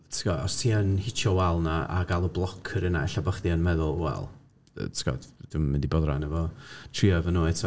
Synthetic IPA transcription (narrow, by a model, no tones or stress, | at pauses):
tʰɡɔɔstʰiːənhɪt͡ʃʰɔwɛlˠnaʔa̰ɡalˠɔblˠɔkʰəɾənaɛɬabəχðiənmɛðʊlˠwɛ̰l̰ˠ | tɡ̥ɔ̰dd̥ɪmmɪndibɔðra̰nɛvɔtʰriɔɛvɔnoɛtʰ